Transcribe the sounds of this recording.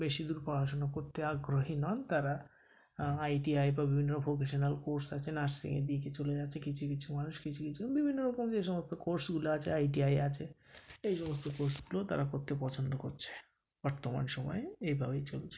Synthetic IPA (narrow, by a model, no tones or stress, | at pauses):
beʃid̪uɾpaɾʱaʃonakoɾt̪ʰeaɡɾoɦinɔnt̪aɾa | ajʈiajbabibʱinːobʱok̬eʃonalkoɾsat͡ɕʰenaʃsḭŋḛd̪iket͡ɕoled͡ʑatːʰekit͡ɕʰukit͡ɕʰumanuʃkit͡ɕʰukit͡ɕʰubibʱinːoɾɔkomd͡ʑeʃɔmost̪okoɾsɡuloat͡ɕʰeajʈiajat͡ɕʰeejʃɔmost̪okoɾsɡulot̪a̰ɾakoɾt̪ʰːepɔt͡ɕʰond̪okoɾt͡ɕʰe̥ | b̥ɔɾt̪oma̰nʃɔmɔ̰eejbʱabejt͡ɕolt͡ɕʰe̥